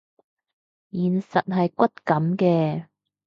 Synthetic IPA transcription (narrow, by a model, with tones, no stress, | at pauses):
jiː˨˩nsɐ˨t̚ɦɐ˨jkʷɐ˥t̚kɐ˨˧˥mkɛː˧